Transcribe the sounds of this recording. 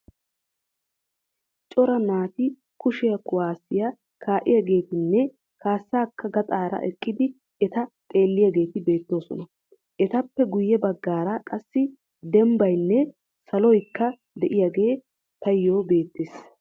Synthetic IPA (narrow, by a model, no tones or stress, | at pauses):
t͡ʃʼɔɾɐnaːt̪ɪ | kʊʃɪjɐkʊwaːsɪjɐ | kʰaːʔɪjaɡe̞ːt̪ɪnːɛ | kaːsːaːkːɐɡɐt̪ʼaːɾɐ̰ʔɛkʼːɪd̪ɪ | ɛt̪ɐt̪ʼe̞ːlːɪjaɡe̞ːt̪ɪbe̞ːt̪ːo̞ːsɔ̰nɐ | ʔɛt̪ɐpːɛɡʊjːɛbɐɡːaːɾɐkʼɐsːɪ | d̪ɛmbɐjnːɛ | sɐlɔjkːɐ | d̪ɛʔɪjaɡe̞ː | t̪ɐjːoːbe̞ːt̪ːeːs